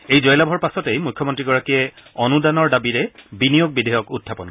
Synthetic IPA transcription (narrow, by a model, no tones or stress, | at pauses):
ejzɔjlabʱɔɹpasɔtejmujkʰːɔmɔntɹiɡɔɹakiɛɔnudanɔɹdabiɹɛbinijoɡ̚bidejɔkudʱʰːapɔnk